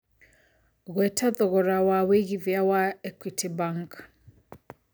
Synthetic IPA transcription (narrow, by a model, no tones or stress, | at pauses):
ɣwɛtʰaðɔɣɔɾawaweɣivjawaɛkʷwitʰibaŋk